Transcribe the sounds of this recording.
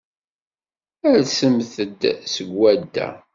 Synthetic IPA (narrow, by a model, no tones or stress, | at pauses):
æɾsəmθəd̪səɡwæd̪ːæ̰